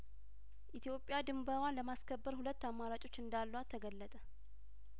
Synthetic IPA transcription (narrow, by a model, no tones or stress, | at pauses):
ʔit̪ʰijo̞pʼːjad̪ɨmbəwanləmaskʰəbːəɾhulət̪ːamːaɾat͡ʃʼo̞t͡ʃːɨnd̪alːəwat̪ʰːəɡəlːət̪ʼə